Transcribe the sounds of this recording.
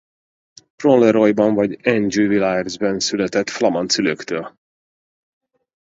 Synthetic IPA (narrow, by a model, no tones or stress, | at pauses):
prolɛɾojbɒɱvɒɟɛnd͡ʒyvilaɛrzbɛnsylɛt̪ɛt̪flɒmɒnt̪syløkt̪øːl